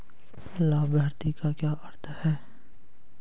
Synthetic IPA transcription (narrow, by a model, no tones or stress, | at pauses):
laːbʱəːɾt̪ikakjaːʔɐɾt̪ʰəhɛː